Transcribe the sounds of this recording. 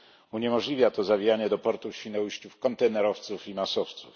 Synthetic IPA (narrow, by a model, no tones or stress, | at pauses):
uɲɛmɔʐlʲivʲjat̪ɔzavʲijaɲɛd̪ɔpɔɾt̪ufɕfʲinɛwɕt͡ɕufkɔnt̪ɛnɛɾɔft̪sufimasɔft̪suf